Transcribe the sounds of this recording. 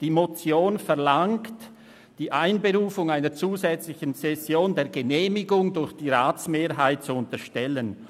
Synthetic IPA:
d̥iːmot͡sjoːnfɛʁlaŋkt | d̥iːʔaɪnbeʁuːfʊŋaɪnət͡suːzɛt͡slɪçənsɛsjoːndeːɐɡəneːmɪɡʊŋdʊɾçd̥iːʁaːt͡smeːɐɦaɪt̚t͡suʊntəʃtɛlən

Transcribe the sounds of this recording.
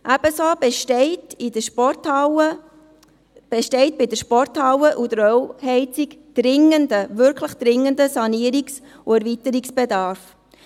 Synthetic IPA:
ʔæb̥əsobtidəʃpɔtɑə | b̥ɛʃtɛɪt̚b̥ɪdəɾʃpɔrthɑwəʔud̪əɾɔwhɛɪt͡sikd̥ɾɪŋəndəvʏɾkʰləχd̥̪ɾɪŋːəndəsɑniəɾiks | uæɾvitəɾiksb̥edɑːɾf

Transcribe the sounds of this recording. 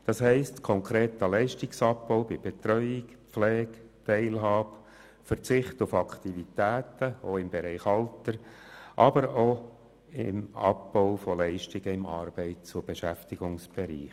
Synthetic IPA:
d̥ɑshɛɪstkʰɔŋkʰʁɾeːt̪əlɛɪʃtiksɑpbɔʊwbɪb̥et̪ɾœʏɪkflɛːktɛɪlɦɑːb | fəɾt͡sɪχtʊfɑkt̪ivit̪æːt̪əoɪmbeɾɛɪχɑltəɾʔɑbəɾo | ɪ̰mɑ̰pbɔʊfɔlɛɪʃtɪɡ̥əɪmɑ̰ːɾb̥ɛɪtt͡sʊb̥eʃæftiɡʊŋsb̥eɾḭːχ

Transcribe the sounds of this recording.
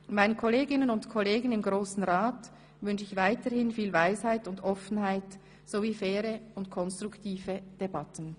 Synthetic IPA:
maɪnənkʰɔleːɡɪnənʊntkʰɔleːɡənɪmɡʁoːsn̩ʁaːt | vʏnʃɪçvaɪtəhɪnfiːlvaɪshaɪtʊndɔfən̩ɦaɪt | z̥oviːfɛːɾəʊntkʰɔnstʁ̥ʊktʰiːvəd̥ebatən̩

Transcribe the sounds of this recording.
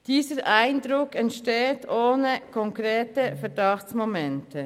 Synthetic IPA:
d̥iːzəɾʔaɪnd̪ɾʊkɛntʃteːtoːnəkʰɔŋkɾeːtəfɛʁdɑxt͡ssmomɛnttə

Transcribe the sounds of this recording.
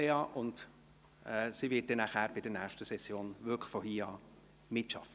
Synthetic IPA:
eɑːʔʊnd | ɛsiʋɪːt̚d̥ɛnæχæːɾb̥ɪd̥əɾnæːχʃtəsɛsːjoːnʋʏkfɔhiːɑː | mɪtʃɑ̰fə

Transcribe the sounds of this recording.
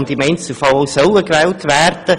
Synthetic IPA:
nd̪ɪmɛɪns̩fɑlowsœləkʋɛːltʋæːrd̥ə

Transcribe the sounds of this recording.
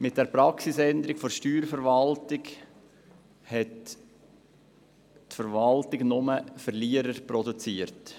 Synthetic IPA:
mɪt̚d̥ɛɾpɾɑksisɛnd̪əɾɪɡfoʃtyːɾfəɾvɑltɪɡ | hɛt | fəɾvɑltɪɡnʊməfəɾliəɾəɾpɾɔdut͡siːəɾt

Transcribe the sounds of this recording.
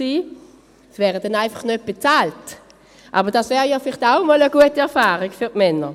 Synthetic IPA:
siː | svɛːʁədɛnaɪfɑχnøt̚b̥et͡saːlt | ʔa̰ːbəʁd̥asvɛːʁəjɔːfɪlɪχtaʊmɔːləɡuətiɛɐfaːʁikfyʁtmɛnə

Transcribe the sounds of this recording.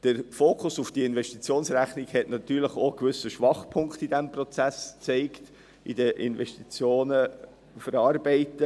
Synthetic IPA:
d̥əɾfoːkʰʊsufd̥iəɪnvɛʃtit͡sjoːnsræχniɡ̥hɛtnɑtːyːɾləχokvʏsəʃʋɑχpʰʊŋkt̪idɛmprɔt͡sæst͡seɪkt | idəʔɪ̰nvɛʃtit͡sjoːnə | fəɾɑːrbɛɪtə

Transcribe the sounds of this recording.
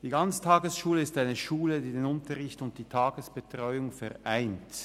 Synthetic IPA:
d̥iːɡant͡sə̥tʰaːɡəsʃuːləɪstaɪnəʃuːlədiːdeːnʊntəʁɪçtʊnt̚d̥iːtʰaːɡəsb̥ətʁ̥ɔʏʊŋfɛʁʔaɪnt

